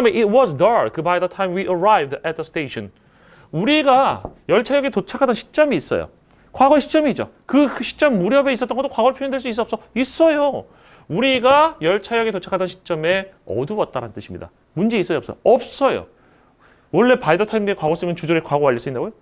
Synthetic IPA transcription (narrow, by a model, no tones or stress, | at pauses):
meʔit̚wʌzdʌɾkkɯbajdʌtʰaimwiʔəɹajvdɛt̚ðəsteiɕʰʌn | uɾiɡajʌɭt͡ɕʰajʌɡetot͡ɕʰakʰadʌnɕʰi̥t͡ɕ͈ʌmiːs͈ʌ̰jo̰ | kwaɡʌɕʰi̥t͡ɕ͈ʌmiːd͡ʑo̰ | kɯɕʰi̥t͡ɕ͈ʌmːuɾjʌbe̞is͈ʌt͈ʌnɡʌt͈okwaɡʌɾɭpʰojʌndweɭs̬͈uis͈ʌp̚s͈ʌis͈ʌjo | uɾiɡajʌɭt͡ɕʰajʌɡetot͡ɕʰakʰadʌnɕʰi̥t͡ɕ͈ʌme̞ʌ̰duwʌt̚t͈aɾanntɯɕʰimɲḭda̰ | mund͡ʑe̞is͈ʌjoʌps͈ʌoʌp̚s͈ʌjo̰ | wʌɭːe̞paidʌtʰaimɡekwaɡʌs͈ɯmjʌnt͡ɕud͡ʑoɾekwaɡowaʎːʌs͈uinːaɡojo